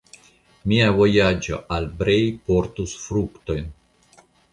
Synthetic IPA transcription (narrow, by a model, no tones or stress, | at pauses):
miavo̞jad͡ʒo̞̰ʔalbɾejpo̞ɾtusfɾukt̪o̞jn